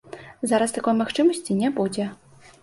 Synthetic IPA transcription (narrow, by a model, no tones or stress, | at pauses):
zaɾɐst̪akɔjmaxt͡ʂɨmɐsʲt͡sʲinʲɛbud͡zʲɛ